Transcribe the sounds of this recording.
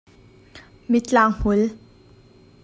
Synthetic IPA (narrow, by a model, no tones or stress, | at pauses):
mit͡ɬaːŋm̥ʊl